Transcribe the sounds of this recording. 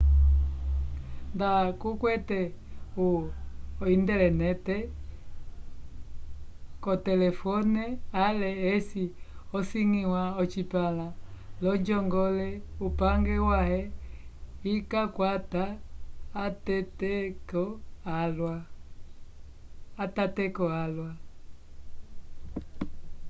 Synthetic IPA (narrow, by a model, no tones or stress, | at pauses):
ndakukwɛtɛuɔindɛlɛnɛtɛ | kɔtɛlɛfɔnɛalɛːsiɔsiŋiwaɔt͡ʃipalalɔd͡ʒɔŋɡɔlɛupaŋɡɛwahɛ | ikakwataː | tɛtɛkɔlwa | tatɛkɔalwa